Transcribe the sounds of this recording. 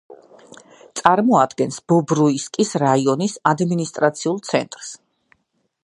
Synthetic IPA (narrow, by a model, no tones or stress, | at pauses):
t̪sʼaɾmɔad̪ɡɛnsb̥ɔbɾuiskʼisɾaiɔnisad̪minist̪ʼɾat̪sʰiulˠt̪sʰɛ̰nt̪ʼɾs